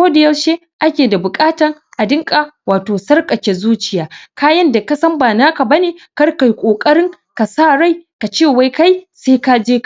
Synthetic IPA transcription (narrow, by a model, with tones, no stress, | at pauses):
kʷoː˦da˨jɐ˦wʃeː˦ | ʔa˦kʲeː˨da˨bʊ˨kʼaː˦tɐ˨ŋʔa˨dɪ˦ŋkʼa˨waː˨toː˨sɐ˦rkʼɐ˨kʲe˨zuː˦t͡ʃɪ˨jaː˦kaː˦jɐ˦nda˨kɐ˦sɐ˦mbaː˨naː˦ka˨bɐ˦neː˨kɐ˦rka˨jkʷʼoː˨kʼɐ˦ɽɪ˦ŋ | ka˨saː˦˨ɽa˦jka˨t͡ʃeː˦˨wa˦jka˦jseː˦ka˦d͡ʒeː˦k